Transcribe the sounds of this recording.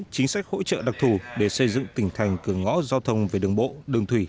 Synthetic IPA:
t͡ɕi˨˦ŋ̟sa˦˥k̚ho̰˧˥t͡ɕə̰ː˧˨ɗa˨˩k̚t̪ʰu˨˩ɗe˧˩sə˧jzɨ̰˧˨ŋt̪ï˧˩ŋ̟t̪ʰa˨˩jŋ̟kɨ˧˩əŋɔ̰˧˥zaː˧wt̪ʰə˧wŋ͡mve˨˩ɗɨ˨˩əŋɓo̰˧˨ɗɨ˨˩əŋt̪ʰwi˧˩

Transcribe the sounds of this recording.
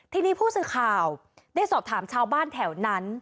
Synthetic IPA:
t̪ʰiː˧niː˦˥˩pʰuː˥˩sɯː˨˩kʰaː˨˩w | daː˥˩jsɔː˨˩p̚t̪ʰaː˩˦mt͡ɕʰaː˧˥wbaː˥˩nt̪ʰɛː˩˦wna˦˥n

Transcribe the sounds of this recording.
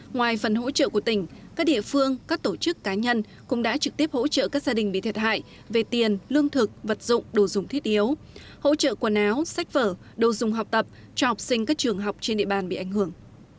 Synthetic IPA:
ŋwaː˨˩jfə˨˩nɦo̰˧˥t͡ɕə̰ː˧˨ku˧˩ət̪ï˧˩ŋ̟kaː˦˥k̚ɗḭ˧˨əfɨ˧əŋkaː˦˥k̚t̪o˧˩t͡ɕɨ˦˥kːaː˨˦ɲə˧n | kʊ̰˧˥ŋ͡mɗa̰ː˧˥t͡ɕɨ˨˩k̚t̪i˦˥əp̚ho̰˧˥t͡ɕə̰ː˧˨kaː˦˥k̚zaː˧ɗï˨˩ŋ̟ɓḭ˧˨t̪ʰi˨˩t̚ha̰ː˧˨j | ve˨˩t̪i˨˩ənlɨ˧əŋt̪ʰɨ˨˩k̚və˨˩t̚zʊ̰˧˨ŋ͡mɗo˨˩zʊ˨˩ŋ͡mt̪ʰi˦˥ət̚ʔi˨˦əw | ho̰˧˥t͡ɕə̰ː˧˨ku˧˩ənaː˨˦wsa˦˥jk̟̚vəː˧˩ | ɗo˨˩wzʊ˨˩ŋ͡mɦa˨˩wk͡p̚t̪ə˨˩p̚ | t͡ɕɔ˧hk͡p̚sï˧ŋ̟kaː˦˥k̚t͡ɕɨ˨˩əŋɦa˨˩wk͡p̚t͡ɕe˧nɗḭ˧˨əɓaː˨˩nɓḭ˧˨ʔa˧˩jŋ̟hɨ˧˩əŋ

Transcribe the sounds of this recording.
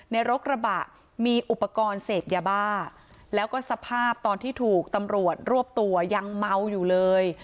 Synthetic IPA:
na˧jɾo˦˥k̚ɾa˧ba˨˩t̪̚ | miː˧ʔu˨˩pːa˧kɔː˧nseː˨˩p̪̚jaː˧baː˥˩ | lɛː˦˥wkɔː˥˩sa˧pʰaː˥˩p̚t̪ɔː˧nt̪ʰiː˥˩t̪ʰuː˨˩k̚t̪a˧mɾu˨˩ət̪̚ɾu˥˩əp̚t̪u˧ɐja˧ŋma˧˥wjuː˨˩lɤː˧j

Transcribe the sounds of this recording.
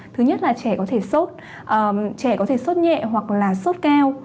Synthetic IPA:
t̪ʰɨ˨˦ɲə˦˥t̚laː˨˩t͡ɕɛ˧˩kɔ˨˦t̪ʰe˧˩so˦˥t̚ | ʔəː˨˩t͡ɕɛ˧˩kɔ˨˦t̪ʰe˧˩so˦˥t̚ɲɛ̰˧˨ɦwa˨˩k̚laː˨˩so˦˥t̚kaː˧w

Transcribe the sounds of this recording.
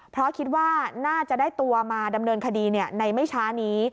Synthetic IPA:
pʰɾɔ˦˥kʰi˦t̪̚waː˥˩naː˥˩t͡ɕa˨˩ʔdaː˥˩jt̪u˧ɐmaː˧da˧mnɤː˧nkʰa˧diː˧ni˥˩ɐna˧jma˥˩jt͡ɕʰaː˦˥niː˦˥

